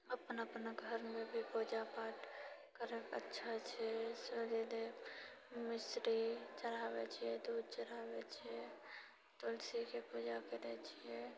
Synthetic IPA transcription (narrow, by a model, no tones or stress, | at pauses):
əpnəpnaɡʱəɾmẽbʱipoːd͡ʒapaːʈkəɾekə̰tːʃʰat͡ʃʰɛsəd͡ʒed̪e | mɪsɾit͡ʃəɾaːwet͡ʃʰiɛd̪uːd̪̚t͡ʃəɾaːwet͡ʃʰɛ | t̪ʊlsikepuːd͡ʒakeɾɛt͡ʃʰiɛ